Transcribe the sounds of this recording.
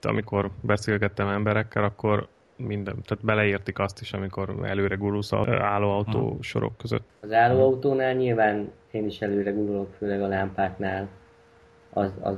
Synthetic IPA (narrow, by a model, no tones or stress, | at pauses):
t̪ɒ̰miko̞rbɛseːlɡɛt̪ːɛmɛmbɛɾɛkːɛlɒkːo̞r | mind̪ɛt̪aːt̪bɛlɛiːrt̪ikɒst̪iʃɒmiko̞ɾɛ̰løːɾɛɡuɾulsɒ̰aːlːoːɒut̪o̰ːʃo̞̰ɾo̰kːøzø̰t̪ːɒzaːloːɒut̪oːnaːlɲilvaːn | eːniʃɛløːɾɛɡuɾulo̞kføːlɛɡɒlampaːk̪naːl | ɒ̰zɒ̰